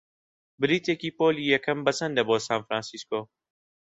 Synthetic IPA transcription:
bɨɾiːt̪ekiːpoːlijɐkɐmbɐsɐnd̪ɐboːsaːnfɾaːnsiskoː

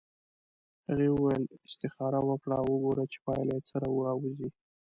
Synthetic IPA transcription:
haɣewəwajlɪst̪ɪxɑɾawəkɽawəɡoɾat͡ʃe̥pɑjlet͡səɾɑwəɾɑwzi

